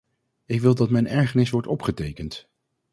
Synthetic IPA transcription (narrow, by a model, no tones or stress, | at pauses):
ɪkʋɪlˠdɑtmɛjnɛɹχənɪsʋɔɹtɔpχətejkənt